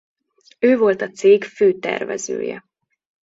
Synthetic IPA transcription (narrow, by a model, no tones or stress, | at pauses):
øːvo̞lt̪ɒt̪seːɡføːt̪ɛ̰rvɛ̰zø̰ːjɛ̰